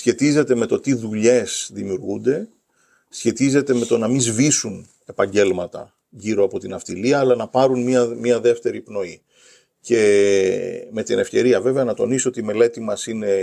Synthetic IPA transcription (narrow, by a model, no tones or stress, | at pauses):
sçe̞t̪ize̞t̪e̞me̞t̪o̞t̪iðuʎe̞sðimiuɾɣund̪e̞ | sçe̞t̪ize̞t̪e̞me̞t̪o̞nɐmizvisun | e̞pɐɲɟe̞lmɐt̪ɐ̰ | ʝiɾo̞ɐpo̞t̪inɐft̪iliɐːlɐnɐpɐɾunmiɐmiɐðe̞ft̪e̞ɾipno̞i | ce̞ | me̞t̪ine̞fce̞ɾiɐve̞veɐnɐt̪o̞nisoo̞t̪iːme̞le̞t̪imɐsine̞